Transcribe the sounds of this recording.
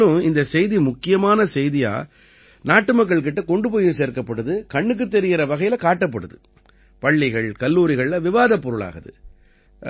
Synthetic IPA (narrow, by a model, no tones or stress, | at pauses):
ɯ̃ɪnd̪ɐsɛjðimʊkːɪjɐmaːnɐsɛjðɪja̰ː | naːʈːɯmɐk̬ːɐɭk̬ɪʈːɐkɔɳɖɯpoːjɯseːɾkɐpːɐɽɯðɯkɐɳːɯk̬ːɯt̪ːɛɾɪɣɪɾɐʋɐɣɐjɪlɐkaːʈːɐp̬ːɐɽɯðɯ | pɐɭːɪɣɐɭkɐlːuːɾɪɣɐɭlɐʋɪʋaːðɐpːɔɾɯɭa̰ːɣɐðɯ̰